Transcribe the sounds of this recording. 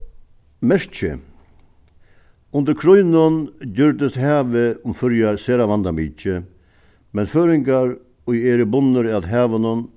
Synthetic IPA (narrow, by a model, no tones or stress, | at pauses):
mɛʂt͡ʃə̰ | ʊnd̪əɾkʰɾɔʏnənɟʏɾd̪əst̪hæːʋəʊmfœɾjaɾseːɾaʋand̪amiːt͡ʃə | mɛnføːɾɪŋɡaɾ | ɔʏeːɾəbʊnːəɾat̪ɦæːʋənʊn